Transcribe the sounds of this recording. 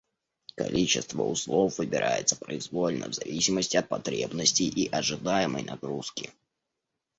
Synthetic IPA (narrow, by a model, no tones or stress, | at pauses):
kɐlʲit͡ɕɪst̪vəʊslˠofvɨbʲɪɾʔa̰jɪt̪sə̥pɾəɪzvolʲnə̰vzɐvʲisʲɪməsʲtʲɪɐt̪̚pɐt̪ɾʲḛbnəsʲtʲɪjʔiʔɐʐɨd̪ajɪmə̰jnɐɡɾuskʲɪ